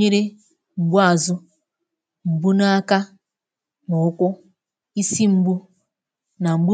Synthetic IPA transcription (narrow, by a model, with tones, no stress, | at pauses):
e˦ɾe˦ | ŋ͡m̩˨ɡ͡bu˦a˨zʊ˦ | ŋ͡m̩˨ɡ͡bu˦na˦a˦ka˦ | nʊ˨ʊ˦kʷʊ˦ | i˦si˦ŋ͡m̩˦ɡ͡bu˦ | na˨ŋ͡m̩˨ɡ͡bu˦